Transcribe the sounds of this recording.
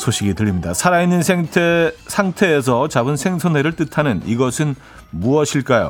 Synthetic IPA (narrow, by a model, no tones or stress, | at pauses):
sʰoɕʰiɡitɯɾimɲidasʰaɾainːɯnsʰetʰsʰaŋtʰe̞ːs̬ʰʌt͡ɕabɯnsʰe̞ŋsʰʌnwe̞ɾɯɭt͈ɯtʰanɯniɡʌsʰɯn | muʌɕʰiɭk͈ajo̰